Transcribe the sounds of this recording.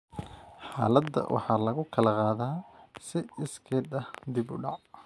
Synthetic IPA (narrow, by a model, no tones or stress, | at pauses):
ħɑ̰ːlɐd̪ːɐ̰wʔɑ̰ħɑːlɐɣʊkʰɐlɐqaːðaːsɪɪskʰɛːd̪ɐhd̪ibʊ̰ɖɑʕ